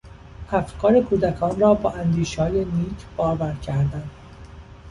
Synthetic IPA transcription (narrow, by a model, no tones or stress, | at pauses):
hæft̪kʰɒːɾekʰuːd̪ækʰɒːnrɒːbɒːʔænd̪iːʃɒːjeniːt̪ʰb̥ɒːɾvæɾcʰæɾd̪ænd̪